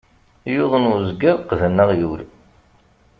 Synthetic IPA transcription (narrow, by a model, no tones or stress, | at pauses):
jʊðˤənʊzɡəɾˤqðənːəʁjuɾ